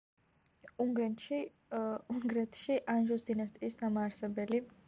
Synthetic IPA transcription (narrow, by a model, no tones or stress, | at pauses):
uŋɡɾɛnʃi | uŋɡɾɛt̪ʰʃiʔanʒɔsd̪inast̪ʼiːsnamaːɾsɛbɛli